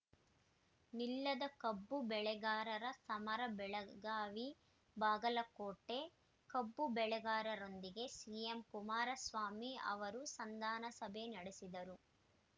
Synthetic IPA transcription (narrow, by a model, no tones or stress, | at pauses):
nilːɐd̪ɐkɐbːubɛɭɛɡaːɾɐɾɐsɐmɐɾɐbɛɭɐɡaːʋi | baːɡɐlɐkoːʈːe̞ | kɐbːubɛɭɛɡaːɾɐɾo̞nd̪iɡe̞siːjemkumaːɾɐsʋaːmiɐ̰ʋɐɾusɐnd̪aːnɐsɐbʱenɐɽesid̪ɐɾu